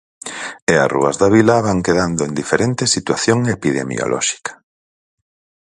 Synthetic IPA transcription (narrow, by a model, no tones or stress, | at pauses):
ea̰srṵɐ̰zðaβilaβaŋkeðand̪oend̪ifeɾent̪esit̪waθjoŋepiðḛmḭo̰lʔɔ̰ʃi̥kḁ